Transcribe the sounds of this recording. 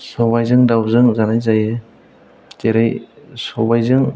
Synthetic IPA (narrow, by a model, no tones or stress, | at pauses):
sɔbajzɯŋdawzɯŋzanajzajɯ | teɾɯjsɔbajzɯŋ